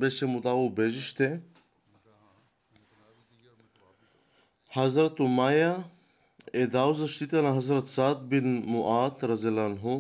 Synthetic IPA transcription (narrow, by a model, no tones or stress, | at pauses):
beʃemut̪aːubed͡ʑiʃt̪e | hɐzɾɐt̪umaːja | ed̪aːwzɐʃt̪it̪ɐnaɦɐzɾɐt̪saːt̪̚binmuʔaːt̪ɾɐzelanɦu